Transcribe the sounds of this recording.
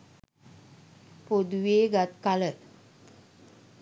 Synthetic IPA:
pod̪ʋeɡat̪kalə

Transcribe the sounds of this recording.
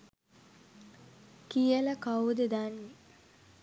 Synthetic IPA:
kijələkawd̪ed̪anːi

